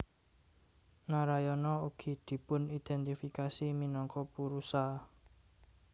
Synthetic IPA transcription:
naɾajɔnɔuɡ̥i̤d̪̥i̤pʊnid̪̥ɛnt̪ifikasiminɔŋkɔpuɾusa

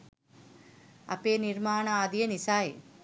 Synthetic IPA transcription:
ɐ̰peːniɾmaːnaaːd̪ijɐnisaːj

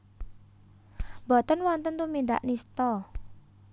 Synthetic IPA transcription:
mbɔ̤t̪ənwɔnt̪ənt̪umind̪a̰ʔnist̪ɔ

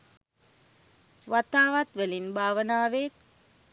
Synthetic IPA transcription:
ʋat̪aːʋat̪ʋəlinbʱaːʋənaːʋeːt̪̚

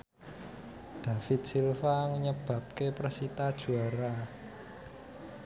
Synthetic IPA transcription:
d̪̥a̤fɪt̪̚silfaŋəɲəb̥ä̤p̚keprəsit̪ad̥ʒ̥ṳaɾa

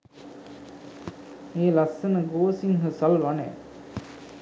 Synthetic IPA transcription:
eːlasːənəɡoːsiŋɦəsɐlʋanḛː

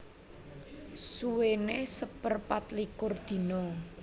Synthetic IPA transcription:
suwenesəpərpat̪likʊrd̪̥i̤nɔ

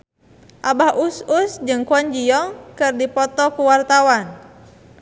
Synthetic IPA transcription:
ʔabahʔususd͡ʒɨŋkuɔɲd͡ʒijɔŋkɨrdipɔt̪ɔkuwart̪awan

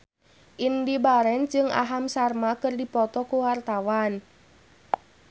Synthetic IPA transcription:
ʔindibaɾɛnd͡ʒɨŋa̰ɦamsarmakɨrdipɔt̪ɔkuwart̪awan

